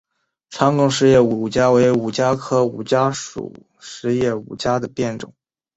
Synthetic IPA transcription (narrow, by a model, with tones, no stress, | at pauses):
ʈ͡ʂʰɑ˥ŋkʊ˥ŋʂɻ̩˧˥jɛ˥˩u˨u˨˩t͡ɕja˥we˧˥ɪu˨˩t͡ɕja˥kʰɤ˥u˨˩t͡ɕja˥ʂṵ˨˩ | ʂɻ̩˧˥jɛ˥˩ṵ˨˩t͡ɕja˥d̪ə˨pjɛ˥˩nʈ͡ʂʊ̰˨˩˦